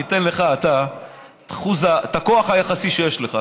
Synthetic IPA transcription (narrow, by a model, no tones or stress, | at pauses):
it̪e̞nle̞χaːt̪a | t̪ḁχuzat̪ako̞aχajaχasiʃejeʃleχa